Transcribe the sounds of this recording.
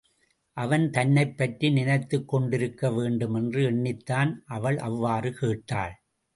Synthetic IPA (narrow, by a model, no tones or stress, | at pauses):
ʔɐʋɐnt̪ɐnːɐɪpːɐʈrinɪnɐɪt̪ːɯkːɔɳɖɪɾɯkːɐʋeːɳɖɯmɛndrɯɛɳːɪt̪ːaːnʔɐʋɐɭʔɐʋːaːrɯkeːʈːa̰ːɭ